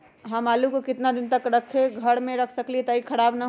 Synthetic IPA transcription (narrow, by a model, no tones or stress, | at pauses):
ɦəmalukokit̪nad̪int̪əkɾəkʰːeɡʱəɽmeɾəkʰsəkliet̪əikʰəɽabnə